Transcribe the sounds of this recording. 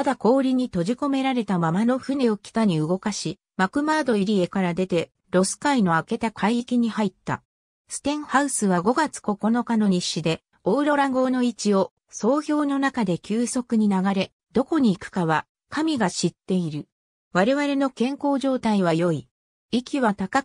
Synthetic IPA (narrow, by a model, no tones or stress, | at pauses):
ad̪ako̞ːɾʲiɲ̟it̪o̞ʑiko̞me̞ɾaɾe̞t̪amamano̞ɸɯ̟ne̞o̞kʲi̥k̪aɲ̟iɯ̟ɡo̞kaɕi | makɯ̟maːd̪o̞iɾʲie̞kaɾad̪e̞t̪e̞ | ɾo̞sɨ̥kaino̞ake̞t̪akʰaiikʲiɲ̟ihait̪ːa̰ | sɨ̥t̪ẽ̞ɰ̃haɯ̟sɨβaɡo̞ɡat͡sɨ̥ko̞ko̞no̞kano̞ɲ̟iɕːid̪e̞ | oɯ̟ɾoɾaɡo̞ːno̞it͡ɕio̞ | so̞ːçʲo̞ːno̞nakad̪e̞kʲɨːso̞kɯ̟ɲ̟inaɡaɾe̞ | d̪̥o̞ko̞ɲ̟iːkɯ̟̥kaβa | kʰamʲiɡaɕit̪ːe̞iɾɯ̟ | βaɾe̞βaɾe̞no̞kẽ̞ŋko̞ːʑo̞ːt̪aiβ̞ajo̞i | ikʲiβat̪akḁ